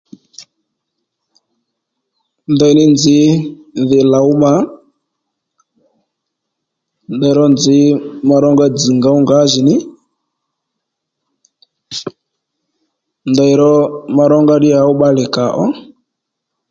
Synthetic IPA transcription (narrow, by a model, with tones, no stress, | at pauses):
ndɔ˨i˨nɪ˦nd͡zɪ˨˦ðɪ˨la˨u˦ma˨ | ndɔ˨i˨ɾɔ˦nd͡zɪ˨˦ma˧ɾɔ˦ŋɡa˦d͡zi˨ŋɡa˨˦u˦ŋɡa˨˦ʒɪ˨nɪ˦ | ndɔ˨i˨ɾɔ˦ma˧ɾɔ˦ŋɡa˦ɗɪ˦a˨ʊ˦ɓa˦lɪ˨ka˨ʔɔ˦